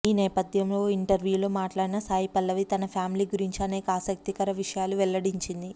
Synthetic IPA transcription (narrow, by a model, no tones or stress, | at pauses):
iːnɛːpɐd̪ʱjɐmlo̞ːiɳʈɐɾʋjuːlo̞ːmaːʈlaːɽinɐsaːjipɐlːɐʋit̪ɐnɐpʰjaːmliːɡuɾiɲt͡ʃiɐneːkɐaːsɐk̚t̪ikɐɾɐʋiʂɐjaːluʋɛlːɐɽiɲt͡ʃind̪i